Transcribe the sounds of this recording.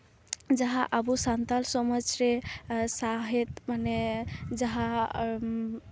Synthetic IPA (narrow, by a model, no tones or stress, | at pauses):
d͡ʒəɦãʔabusant̪alsɔmət͡ʃɾesaɦet̪maned͡ʒəɦã